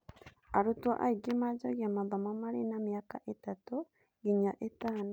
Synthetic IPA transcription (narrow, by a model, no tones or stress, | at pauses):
aɾutwa̰ʔa̰iɡemad͡ʒoɡjamaðamamaɾenamiakaʔetatu | ɡiɲaʔetaːn